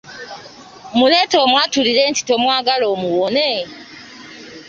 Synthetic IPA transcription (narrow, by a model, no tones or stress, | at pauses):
muletoːmwaːtuliɾenti̥to̞mwaːɡaloːmuwone